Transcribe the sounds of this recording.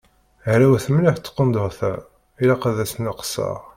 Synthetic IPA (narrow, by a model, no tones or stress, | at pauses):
ʕɾæwæθəmliħt͡sːə̥qːənd̪oʁθæ | ilaqaðæsənəqsɑ̰ʁ